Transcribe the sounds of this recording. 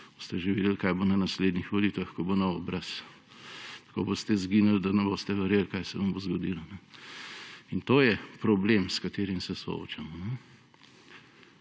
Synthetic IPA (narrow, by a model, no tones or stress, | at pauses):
boːst̪ɛʒeʋiːd̪elkajbonɐnasleːd̪nixʋolit̪ʋaxkobonɔɔbɾas | t̪ɐ̥ko̰bost̪ɛzɡinald̪ɐnɛbost̪ɛʋɛɾjelkajsɛʋɐmbozɡɔd̪ilɔnɛ | int̪oːjɛpɾɔblemskat̪eːɾimsɛsɔ̰o̰t͡ʃamnɛ